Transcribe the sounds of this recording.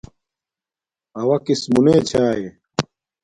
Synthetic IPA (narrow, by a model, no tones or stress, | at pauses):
ɐwɐkismuneːt͡ɕʰaːe